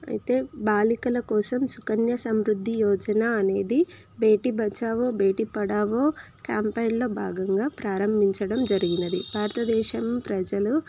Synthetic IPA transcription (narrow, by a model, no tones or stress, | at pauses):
ɐ̰jit̪e̞ːbaːlikɐlɐkɔːsɐmsukɐnjɐsɐmɾud̪ʱːijɔːd͡ʒɐnaːne̞ːd̪i | be̞ːʈibʱɐt͡ʃaːʋoːbeːʈipɐɽaːʋoːkjaːmpɐjnlo̞ːbʱaːɡɐŋɡaːpɾaːɾɐmbʱiɲt͡ʃɐɽɐmd͡ʒɐɾiɡinɐd̪ibʱaːɾt̪ɐd̪ɛːʃɐmpɾɐd͡ʒɐlu